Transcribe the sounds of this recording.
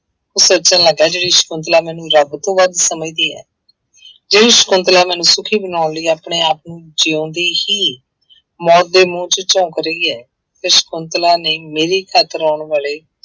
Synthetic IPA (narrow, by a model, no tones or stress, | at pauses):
oːsətːt͡ʃãːləɡɛːd͡ʒeːɽiːʃə̥kʊnt̪̬laːmɛːnũːɾəbt̪õːʋəd̪səmiːd̪iːɛ̰ː | d͡ʒeːɽiːʃə̥kʊ̃nt̪laːmɛːnũːsʊkʰiːbənaːnləiːaːpɳeːaːpnũːd͡ʒeːõːnd̪eːhiː | mɔːt̪̚d̪eːmõːt͡ʃt͡ʃɔ̃ːkəɾəiːɛː | t̪ɪʃə̥kʊnt̪laːneːmeːɾiːkʰaːt̪əɾɔːɳʋaːleː